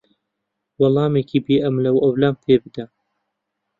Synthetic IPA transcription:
wɑlˠɑːmeːkʰiːbeːʔɐmlɐwɐwlaːmt̪ʰeːbɨd̪ɐ

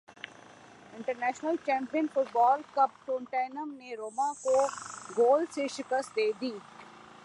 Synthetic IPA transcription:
ɪ̃ɳʈəɾnɛːʃnəlt͡ʃɛ̃ːmpijənfʊʈbɔːlkɐp̚ʈũːɳʈaːɪnəmneɾoːmakoɡoːlseʃɪkəst̪̚d̪eːd̪iː

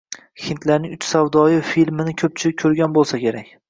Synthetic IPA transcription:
hint̪ʰlaɾnɪŋʲʊt͡ʃsavd̪ɒjɪfilmɪnɪkʲʰɵp̚t͡ʃʰɪɪkʲʰːɵɾɡʲanbolˠsakʲe̞ɾakʲ

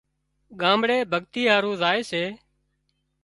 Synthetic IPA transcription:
ɠãːmɽeːbʱəɠt̪iːɦaːɾũːzaːeːseː

